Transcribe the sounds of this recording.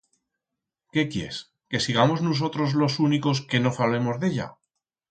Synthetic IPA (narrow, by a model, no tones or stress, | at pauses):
ke̞kjḛs | ke̞siɣamo̞znus̬o̞t̪ɾo̞zlo̞suniko̞s̬ke̞no̞fale̞mo̞zðe̞ʎa̰